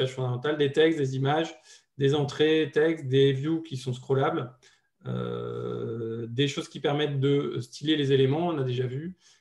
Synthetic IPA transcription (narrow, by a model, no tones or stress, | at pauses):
aʒfɔ̃d̪amɑ̃t̪ald̪et̪ɛkst̚d̪ezimaʒ | d̪ezɑ̃t̪χet̪ɛkst̪̚d̪evjukʲisɔ̃skχɔlabl | ø̰ | d̪eʃozkʲipɛʁmɛt̪̚d̪əst̪ʰilelezelemɑ̃ɔ̃nad̪eʒavy